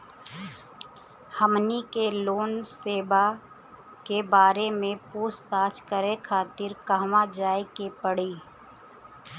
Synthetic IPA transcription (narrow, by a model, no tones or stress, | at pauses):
həmnikeloːnseːba | kebaːɾemẽpuːst̪aːt͡ʃkəɾekʰaːt̪ɪɾkəɦmad͡ʒaːekepəɽiː